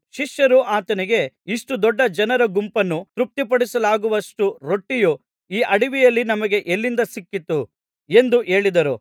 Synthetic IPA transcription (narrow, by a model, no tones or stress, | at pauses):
ʃiʃjɐɾuaːt̪ɐniɡe̞iʂʈud̪ɔɖːɐd͡ʒɐnɐɾɐɡumpɐnːut̪ɾup̚t̪ipɐɽisɐlaːɡuʋɐʂʈuɾo̞ʈːiju | iːʔɐɽiʋijɐlːinɐmɐɡe̞ʔelːind̪ɐsikːit̪ːu | e̞nd̪uʔe̞ːɭid̪ɐɾu